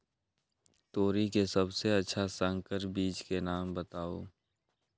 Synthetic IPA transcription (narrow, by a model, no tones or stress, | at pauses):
t̪oːɾikesəbseətːʃʰasə̃ŋkəɾbiːt͡ʃkenaːmbət̪aːo̰ː